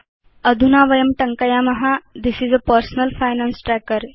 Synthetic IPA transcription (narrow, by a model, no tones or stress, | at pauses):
əd̪ʱunaʋəjəmʈəŋkəjamɐɦad̪isizəpəɾsnəlfajnãnsʈɾækəɾ